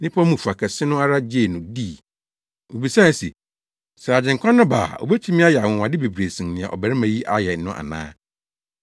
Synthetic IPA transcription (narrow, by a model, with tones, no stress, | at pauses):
nɪ̃˦pʰɔ˦mũ˨fu˨a˨kʰɛ˨sɪ˦nʊ̃˦a˦ɾa˦d͡ʑe˦˨nʊ̃˨diː˦˨ | wo˨bi˨sã˦˨se˨ | sɾa˨d͡ʑɪ̃˨ŋkʷʰã˦nʊ̃˦ba̰ː˨ɔ̰˨be˦t͡ɕʰi˦mɪ̃˦a˦jɛ˨a˨wɔ̃˨wã˨dɪ˦be˨bɾe˨sĩ˨mnɪ̃˨ã̰˨ʔɔ̰˨bæ˨ɾɪ˦mã˨ji˦ʔa˦jɛ˨n̩˦nʊ̃˦ʔa̰˨nã̰ː˦